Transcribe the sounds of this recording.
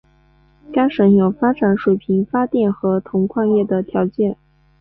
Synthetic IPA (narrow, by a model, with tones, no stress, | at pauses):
ka˥ɪʂɤ˨˧˥njo˨˩ʊfa˥ʈ͡ʂa˧˥nʂwe˨˩ɪpʰi˧˥ŋfa˥t̪jɛ˥˩nxɤ˧˥t̪ʰʊ˧˥ŋkʰwɑ˥˧ŋjɛ˥˩d̪ə˩t̪ʰjɑ˧˥ʊt͡ɕjɛ˥˩n